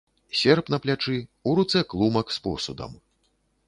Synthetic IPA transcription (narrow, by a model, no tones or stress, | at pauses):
sʲɛrpnɐplʲat͡ʂɨuɾut̪sɛklˠumɐkspɔ̰sud̪ɐ̰m